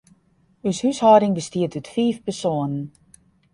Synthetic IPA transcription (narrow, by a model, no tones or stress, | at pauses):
yshyshɔːdɪŋbəstiətʰytfiːfpərsoənən